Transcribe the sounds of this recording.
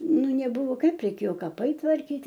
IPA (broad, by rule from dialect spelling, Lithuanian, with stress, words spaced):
ˈnʊ nʲɛˈbʊʋoː ˈkɐɪp rʲɛɪˈkʲeːjoː kɐˈpɐɪ tʋɐrʲˈkʲiːtʲ